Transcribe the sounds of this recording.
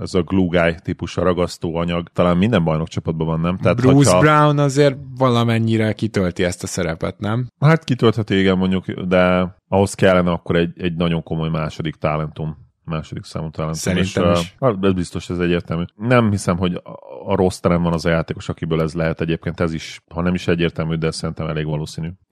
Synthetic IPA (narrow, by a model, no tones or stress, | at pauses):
ɛzɒɡluːɡaːjt̪ipuʃɒɾɒɡɒst̪oːɒɲɒɡt̪ɒlaːnmind̪ɛmbɒjno̞kt͡ʃɒpɒd̪̚bɒvɒnːɛmt̪ɛːtb̪rouːzhɒɾawnɒzeːrvɒlɒmɛɲːiɾɛkit̪ølt̪iɛst̪ɒsɛɾɛpɛ̰t̪nɛmhaːt̪kit̪ølt̪hɛt̪yeːɡɛnmo̞ɲɟukd̪ɛɒɦo̞skɛlːɛnɛɒkːo̞ɾɛɟɛɟnɒɟo̞ŋko̞mo̞jmaːʃo̞d̪ikt̪aːlɛnt̪umː | aːʃod̪iksa̰ːmut̪aːlɛntsuɾmeinʃɛzbist̪o̞ʃɛzɛɟːeːrt̪ɛlmyːnɛmhisɛmɦo̞ɟːɾo̞st̪ɛlɛmvɒnɒzɒjaːt̪eːko̞ʃɒkibøːlɛzlɛɦɛt̪ɛɟeːp̚keːnt̪ɛziʃhɒnɛmiʃɛɟːeːrt̪ɛlmyːd̪ɛsɛɾint̪ɛmɛleːɡʋɒloːsiːnyː